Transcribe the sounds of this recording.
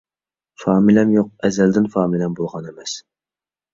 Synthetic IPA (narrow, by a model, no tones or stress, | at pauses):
fɑːmilɛmjoq̚ɛzɛld̪ɪnfɑːmilɛmbolˠʁɑnemɛs